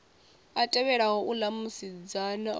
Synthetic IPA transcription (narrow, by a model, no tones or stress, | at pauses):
atʼɛβɛɺaɦɔʔulamusid͡zana